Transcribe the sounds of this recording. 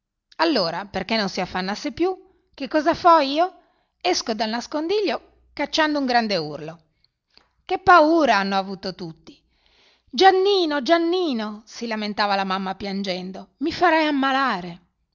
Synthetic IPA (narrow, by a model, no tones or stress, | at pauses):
alːoːɾaperkenːonsiafːanːasːepju | kekːɔːzafɔiːo | ɛskod̪alnaskond̪iʎːo | kat͡ʃːand̪ouŋɡɾand̪eṵrlo | kepːauːɾaanːoavuːt̪ot̪ut̪ːi̥ | d͡ʒanːiːnod͡ʒanːiːnosilament̪aːvalamamːapjand͡ʒɛnd̪omifaɾɛjamːalaːɾe